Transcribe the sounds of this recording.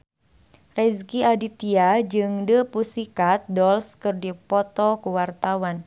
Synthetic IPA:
rɛskiadit̪iad͡ʒɨŋdəpusikat̪̚dɔlskɨrdipɔt̪ɔkuwart̪awan

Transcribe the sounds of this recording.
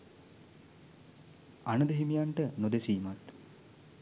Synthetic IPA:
anəd̪əɦimijaɳʈənod̪esiːmat̪

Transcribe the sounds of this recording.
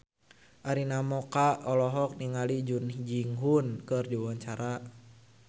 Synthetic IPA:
ʔaɾinamɔkaɔlɔɦɔk̚niŋalid͡ʒund͡ʒiŋɦunkɨrdiwaɲt͡ʃaɾa

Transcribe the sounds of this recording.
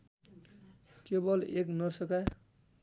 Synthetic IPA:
kebʌleknʌrsʌka

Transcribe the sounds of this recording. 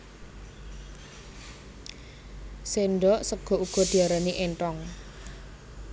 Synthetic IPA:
senɖɔʔsəɡ̥ɔ̤uɡ̥ɔ̤d̪̥i̤aɾaniʔenʈɔŋ

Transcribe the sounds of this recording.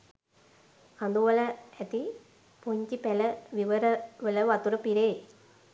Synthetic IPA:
kand̪uʋələæt̪i | poɲt͡ʃipæləʋiʋəɾəʋələʋat̪uɾəpiɾeː

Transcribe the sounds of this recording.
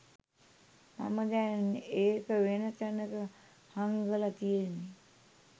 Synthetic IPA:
ma̰məd̪æneːkəʋenət̪ənəkə | haŋɡəlat̪ijenːi

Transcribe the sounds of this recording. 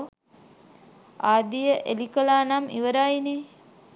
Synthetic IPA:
aːd̪ijəʔelikəlaːnamḭʋəɾaine

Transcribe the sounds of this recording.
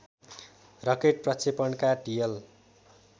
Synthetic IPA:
rʌkeʈ̚prʌt͡sʰepʌnkaɖijʌl

